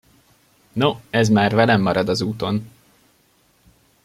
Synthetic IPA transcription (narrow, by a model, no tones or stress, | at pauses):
noɛzmaːrvɛlɛmːɒɾɒd̪ɒzuːt̪o̞n